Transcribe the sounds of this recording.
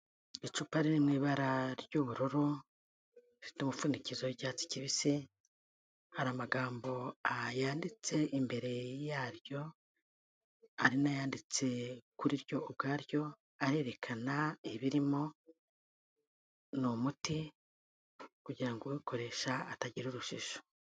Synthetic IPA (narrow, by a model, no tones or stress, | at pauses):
it͡ʃuːpaɾinimŋiːβaɾaɾjuβuɾoɾo | fi̥tomufunicizoɟaːt͡si̥ciβisi | haɾamaɡaːmbo̞ajaːndit͡se̞ʔimbe̞ɾe̞jaːɾjo̞ | aɾinajaːndit͡se̞kuɾiɾjo̞ʔːb̚ɡaːɾjo̞ | aɾe̞ːɾe̞kʰanaeβiɾimo̞ | nomuti | kuɟiɾaŋɡowikʰo̞ɾe̞ːʃaːtaɟiɾuɾuʃiʃo̥